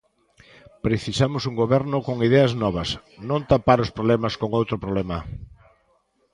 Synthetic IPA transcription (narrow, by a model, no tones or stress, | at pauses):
pɾeθisamʊsuŋɡoβɛɾnʊkoŋiðɛɐznɔβ̞ɐs | nõnt̪apaɾʊspɾoβlɛmaskoŋowt̪ɾopɾoβlɛmɐ